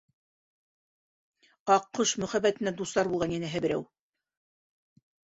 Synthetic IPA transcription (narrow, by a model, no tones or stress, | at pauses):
ɑqːoʃmɵ̆χæbæt̪ɘ̆næd̪uslˠɑɾbulˠʁɑnjinæɦɘbɘ̆ɾæ̰w